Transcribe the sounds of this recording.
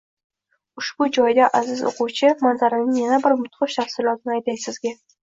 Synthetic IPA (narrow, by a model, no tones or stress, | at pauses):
ʊʃb̥ʊd͡ʒɒjd̪aʔazɪzo̰qʊwt͡ʃʰɪmanzaɾɪnɪŋjanabɪɾmʊt̪qɨʃt̪ʰafsɪlˠɒt̪ʰɪnɪajt̪ʰajsɪzɡʲa